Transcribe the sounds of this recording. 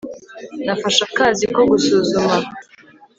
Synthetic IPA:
nafaʃakaːziko̞ɡusuːzuma

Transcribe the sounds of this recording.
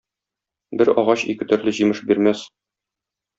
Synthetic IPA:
bɘɾɒ̰ʁɑɕḭkɘ̆t̪ɵ̆ɾlɘʑimɘʃbiɾmæs

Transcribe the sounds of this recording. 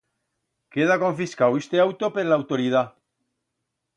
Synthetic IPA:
keð̞akõ̞ɱfiskawest̪eawt̪opeɾlaːwt̪oɾið̞a

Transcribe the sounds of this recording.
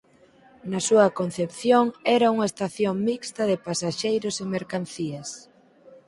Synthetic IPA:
nɐsuɐkon̟θepθjoŋɛɾɐuŋɐest̪aθjoŋmikst̪ɐðɪpasaʃejɾʊsemeɾkan̟θiɐs

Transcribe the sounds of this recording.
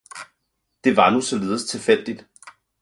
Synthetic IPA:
d̥e̝ʋɑ̈nusɒ̽le̝ːðˠəst͡sʰe̝fel̰d̥id̥

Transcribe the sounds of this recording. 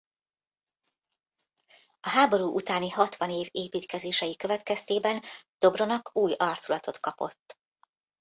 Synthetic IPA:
ɒɦaːbo̞ɾuːʔut̪aːnihɒt̪ʋɒneːveːpiːt̪kɛzeːʃɛjikøvɛt̪kɛst̪eːbɛnd̪̥o̞bro̞nɒkuːjɒrt̪solɒt̪o̞t̪kɒpo̞̰t̪ː

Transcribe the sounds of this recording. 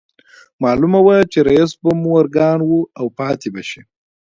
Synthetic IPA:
mɑːlumawat͡ʃeɾajs̬bamuaɾɡɑːnwuawpɑːt̪ebaʃi

